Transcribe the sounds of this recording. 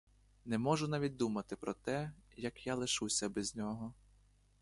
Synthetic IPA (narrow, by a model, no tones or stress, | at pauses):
nɛmɔʒʊnaʋʲit̚ʲd̪umɐt̪ɪpɾɔt̪ɛjɐkjalˠɪʃusʲɐbɛzʲnʲɔɦɔ